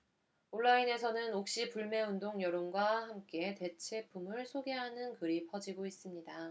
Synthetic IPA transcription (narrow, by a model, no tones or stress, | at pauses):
oɭːaine̞sʰʌnɯnok̚ɕ͈ipuɭme̞undoŋjʌɾonɡwahamk͈e̞te̞t͡ɕʰe̞pʰumɯɭsʰoɡe̞ɦanɯnkɯɾipʰʌd͡ʑiɡois͈ɯmɲida